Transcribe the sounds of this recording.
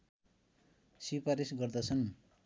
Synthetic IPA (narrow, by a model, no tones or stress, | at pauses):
sipaɾisɡʌrd̪ʌt͡sʰʌn